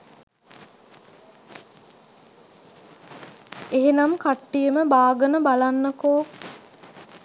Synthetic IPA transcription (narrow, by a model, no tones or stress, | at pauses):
eɦenamkaʈːijəməbaːɡənəbalanːəkoː